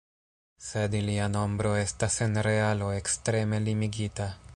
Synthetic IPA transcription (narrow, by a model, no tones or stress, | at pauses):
se̞diliano̞mbɾo̞e̞stase̞nɾe̞alo̞e̞kstɾe̞me̞limiɡita